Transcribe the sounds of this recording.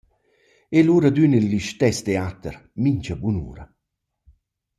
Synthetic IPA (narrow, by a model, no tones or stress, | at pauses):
eluːɾad̪ynilːiʃt̪ɛst̪eat̪əɾmiɲt͡ʃabunṵːɾɐ